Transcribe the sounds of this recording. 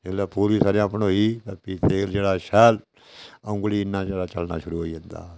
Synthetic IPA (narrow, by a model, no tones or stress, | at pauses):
elɛːpuːɾiːsaːɾijãːpnɦoːiːt̪ɛpiːt̪eːld͡ʒeːɽaːʃɛːl | ə̃ŋɡliːɪnːãːd͡ʒeːɽaːt͡ʃəlnaːʃʊɾuːɦoːiːɦə̃nd̪a̰ː